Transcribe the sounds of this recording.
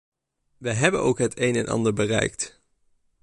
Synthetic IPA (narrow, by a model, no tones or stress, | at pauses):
ʋəɦɛbənowkɦətʰejnɛnʔɑ̰ndəɹbərɛ̰jk̚t